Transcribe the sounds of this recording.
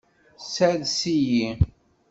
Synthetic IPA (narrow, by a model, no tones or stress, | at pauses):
sæðsiji